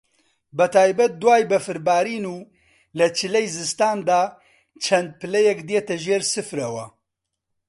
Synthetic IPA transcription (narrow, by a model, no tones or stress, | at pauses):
bɐt̪ʰaːjbɐt̪̚d̪uwaːjbɐfɨɾbaːɾiːnuː | lɐt͡ʃʰɨlɛjzɨst̪aːnd̪aː | t͡ʃʰɐnd̪̚pɨlɛjɛkd̪eːt̪ɐʒeːɾsɨfɾɐwɐ